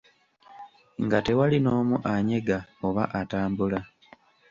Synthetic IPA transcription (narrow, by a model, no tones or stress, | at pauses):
ŋɡate̞walino̞ːmuʔaɲe̞ɡao̞βaʔataːmbula